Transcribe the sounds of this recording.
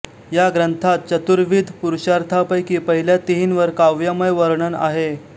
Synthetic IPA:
jaɡɾənt̪ʰat̪̚t͡ɕət̪uɾʋid̪ʱpuɾuɕaɾt̪ʰapəjkiːpəɦiljat̪iɦinʋəɾkaʋjaməjʋəɾɳəna̰ɦe

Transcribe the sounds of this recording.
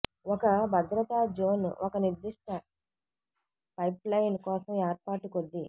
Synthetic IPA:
ɔkɐbʱɐd̪ɾɐt̪aːd͡ʒoːn̰ʔɔkɐniɾd̪iʂʈɐ | pɐjplɐjnkɔːsɐmɛːɾpaːʈikod̪ːi

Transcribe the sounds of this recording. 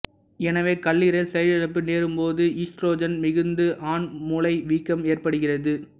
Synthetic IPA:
ɛnɐʋeːkɐɭːiːɾɐɪlsɛjɐlɐɽɐp̬ːɯneːɾɯmpoːðɯʔiːsʈroːd͡ʒɐnmɪɣɯnd̪ɯʔaːnmʊlɐɪʋiːkːɐmeːrpɐɽɯɣɪrɐðɯ

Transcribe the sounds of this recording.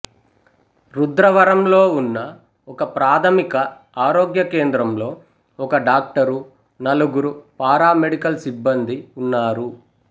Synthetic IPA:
ɾud̪ɾɐʋɐɾɐmlo̞ːunːɐ | ɔkɐpɾaːt̪ʰɐmikɐ | aːɾoːɡjɐke̞ːnd̪ɾɐmlo̞ː | ɔkɐɖaːk̚ʈɐɾu | nɐluɡuɾupaːɾaːmeɽikɐlsibːɐnd̪iunːaːɾu

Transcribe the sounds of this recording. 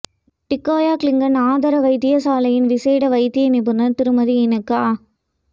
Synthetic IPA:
ʈɪkːaːjaːklɪŋɡɐnaːðɐɾɐʋɐɪt̪ːɪjɐsaːlɐjɪnʋɪseːɽɐʋɐɪt̪ːɪjɐmepɯnɐɾt̪ɪɾɯmɐɾiɪnɐkːaː

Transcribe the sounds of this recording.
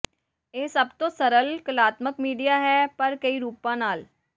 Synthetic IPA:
eːsɐbt̪õsɐɾəlkəlaːt̪məkmiːɖijaɦɛːpɐɾkɐiɾuːpãnaːl

